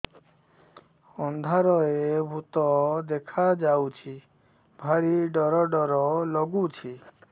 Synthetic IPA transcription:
ɔnd̪ʱaɾɔebʱut̪ɔd̪ekʰad͡ʒawt͡ʃʰi | bʱaɾiɖɔɾɔɖɔɾɔlɔɡut͡ʃʰi

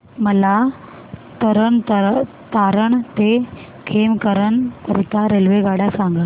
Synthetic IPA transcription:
məla | t̪əɾəɳt̪ə | t̪aɾəɳt̪e | kʰemkəɾəɳkəɾit̪aɾelʋeɡaɽasaŋɡə

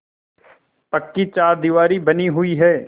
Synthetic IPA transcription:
pɐkːit͡ʃaːɾd̪iʋaːɾibɐniɦʊiɦɛː

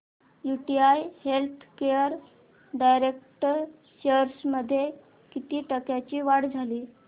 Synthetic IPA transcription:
juʈiajhelt̪ʰkejəɾ | ɖajɾek̚ʈəɾ | ɕəɾsməd̪ʱːje | kit̪iːʈəkjat͡ɕiːʋaɽd͡zʱaliː

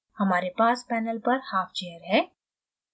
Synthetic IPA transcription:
hɐmaːɾepaːspɛːnəlpɐɾhaːft͡ʃejəɾɦɛ̃ː

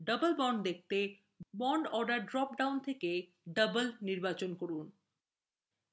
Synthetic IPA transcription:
ɖəbəlbɔɳɖd̪ek̚ʰt̪e | bɔɳɖɔɾɖaɾɖɾɔp̚ɖawnt̪ʰeke | ɖəbəlniɾbat͡ɕonkoɾun

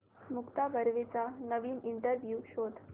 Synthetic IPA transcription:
mukt̪abʱəɾʋet͡sanəʋiːniɳʈəɾʋjuɕot̪

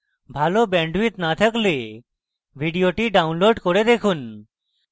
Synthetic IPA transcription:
bʱalobɛɳɖʋit̪nat̪ʰəkle | bʱiɖijoʈiɖaunloɖkoɾed̪ekʰun

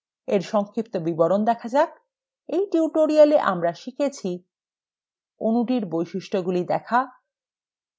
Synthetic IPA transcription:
eɾʃɔŋkʰɾip̚t̪obibɔɾond̪ɛkʰad͡ʑak̚ | ejʈiuʈoɾialeʔa̰mɾaʃikʰet͡ɕʰi | onuʈiɾbojʃiʃʈʰoɡulid̪ɛkʰa

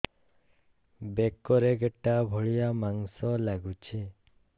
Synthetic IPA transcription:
bekɔɾeɡeʈabʱɔɭijamaŋsɔlaɡut͡ʃʰi

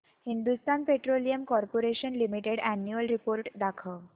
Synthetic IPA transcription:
hind̪ust̪anpeʈɾolijəmkɔɾpoɾeɕənlimiʈeɽænjuəlɾipoɾʈd̪akʰə

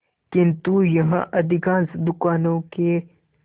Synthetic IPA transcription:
kɪ̃nt̪ujɐɦã̰ʔɐd̪ʱɪɡãːsd̪ʊkaːnõke

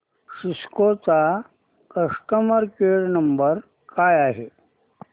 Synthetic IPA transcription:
ʂiskot͡sa | kəʂʈəməɾkeɽnɐmbəɾ | kʰaːjaɦe

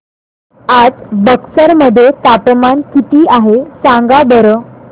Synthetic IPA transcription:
ad͡zbəksəɾməd̪ʱːjet̪apəmankit̪iːʔaɦesaŋɡabʱəɾəː

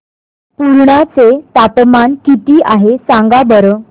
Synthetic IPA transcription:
puɾɳat͡set̪apmankit̪iːʔaɦesãŋɡabəɾəː

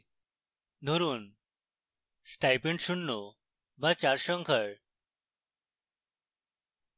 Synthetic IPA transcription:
d̪ʱoɾuːn | sʈajpeɳʈɕuɳːo | ʋat͡ɕaɾɕəŋkʰəɭ

